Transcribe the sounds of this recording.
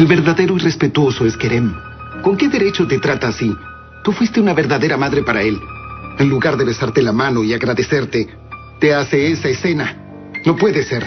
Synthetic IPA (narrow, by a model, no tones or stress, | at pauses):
elβe̞ɾðaðe̞ɾoirespe̞t̪wo̞so̞eskeɾem | ko̞ŋke̞ðeɾe̞t͡ʃo̞t̪et̪ɾat̪aːsi | t̪ufwist̪eunaβeɾðaðeɾamaðɾe̞paɾae̞lenluɣaɾðeβe̞saɾt̪elamano̞iaɣɾaðese̞ɾt̪e | t̪easeesaese̞na | no̞pwe̞ðeseɾ